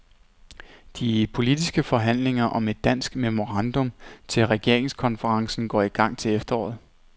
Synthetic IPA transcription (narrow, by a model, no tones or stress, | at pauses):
d̥ipʰo̝lid̥isɡ̥əfɒ̽ɦæn̰le̝ŋɐʔɒ̽me̝d̥ːæn̰sɡ̥memo̝ʁɑ̈nd̥ɔ̽mt͡sʰe̝lʁɛɡ̥e̝ɐ̰eŋskʰɒ̽nfəʁɑ̈ŋsn̩ɡ̥ɒ̰ːiɡ̥ɑ̈ŋ̰t͡sʰe̝lefd̥ɐɒ̰ːð̩ˠ